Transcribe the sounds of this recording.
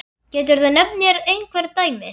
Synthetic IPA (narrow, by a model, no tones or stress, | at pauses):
cɛːt̪̬ʏɾðʏnɛp̚njɛɾejnkʰvɛɾt̪aːjmɪ